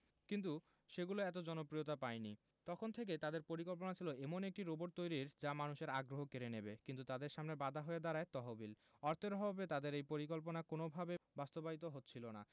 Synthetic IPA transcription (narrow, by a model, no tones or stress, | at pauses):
kint̪̬u | ʃeɡuloɛt̪̬od͡ʑɔnopɾijot̪apaeni | t̪ɔkʰont̪ʰek̬et̪ad̪eɾpoɾikolp̬onat͡ɕʰiloʔemonek̚ʈiɾoboɖt̪ojɾiɾd͡ʑamanuʃeɾaɡɾoɦokeɾenebekint̪ut̪ad̪eɾʃamnebad̪ʱaɦoed̪aɾaet̪ɔɦobil | ɔɾt̪eɾɦɔbet̪ad̪eɾejpoɾik̬olp̬onakonobʱabebast̪obait̪̬oɦot̪ːt͡ɕʰilona̰